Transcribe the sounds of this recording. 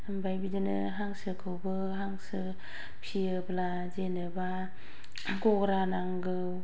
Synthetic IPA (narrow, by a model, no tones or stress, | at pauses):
ɯmbajbidɯnɯ | ɦaŋsɯkʰɯwbɯ | ɦaŋsɯ | pʰiɯbla | zenɯba | ɡɔɡɾanaŋɡɯw